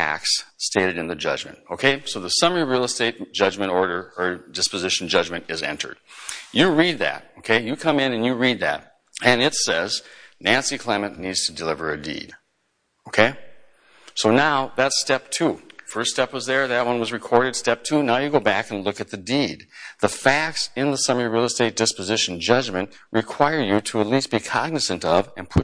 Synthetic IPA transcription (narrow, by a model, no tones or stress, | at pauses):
æ̰kssteɪɾɨɾɨ̃nðɨd͡ʒʌ̰d͡ʒmɨ̰̃ntoʊkʰeɪsoʊðəsʌmə˞iɹil̩ˠəsteɪt̚d̥ʒ̥ʌd͡ʒmɨ̃ɾ̃ɔɹɾə˞ə˞dɪspɨzɪʃn̩d͡ʒʌd͡ʒmɨ̃ntɨzɛ̰̃ntʰə̰˞d̥̚jɨɹid̪̚ðæ̰t̚oʊkʰeɪjɨkʰʌ̃mɪ̃nɨ̃njɨɹid̪̚ðæ̰t̚ | ɨ̃nɨtsɛznæ̃nsikʰl̥ɛmɨ̃nːidz̥tʰədɨlɪvə˞ɨdḭd̥ | oʊkʰeɪ | soʊnaʊðɨtstɛp̚tʰufɜ˞ststɛpwʌzðə˞ðɨt̚wʌ̃nwʌzɹɨkʰɔɹɾɨd̥stɛp̚tʰʉnaʊjɨɡoʊbækɨ̃n̩lʊkɨt̪̚ðɨdid̪̚ðəfæk̚tsɨ̃nðəsʌmə˞ɹilˠsteɪt̚d̥ɪspɨzɪʃn̩d͡ʒʌd͡ʒmɨ̃nʔ | ɹɨkʰw̥aɪə˞jɨɾəət̬ˡlist̚b̥ikʰɑɡ̚nɨsɨ̃ntʌvɨ̃npʰʊ